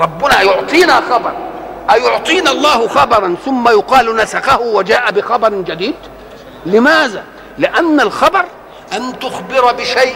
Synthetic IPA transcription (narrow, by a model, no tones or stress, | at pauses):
ɾˤɑbːʊnajʊʕt̪ˤiːnaxɑbɑɾˤʔajʊʕt̪ˤiːnalˤːɑːhʊxɑbɑɾˤɑnθʊmːajʊqɑːlnasaxahʊwad͡ʒaːʔabɪxɑbɑɾˤd͡ʒad̪iːd̪ | lɪmaːða | lɪʔanːalxɑbɑɾˤ | ʔant̪ʊxbɪɾˤbɪʃajʔ